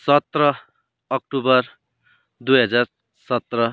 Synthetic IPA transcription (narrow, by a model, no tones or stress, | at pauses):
sʌt̪rʌː | k̚ʈubʌr | d̪ujɦʌd͡zar | sʌt̪rʌ